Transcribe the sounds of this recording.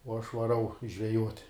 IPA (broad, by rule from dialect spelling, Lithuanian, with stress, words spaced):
uɔ ɐʃ ʋɐˈrɐʊ ʒʲʋʲɛˈjuɔtʲ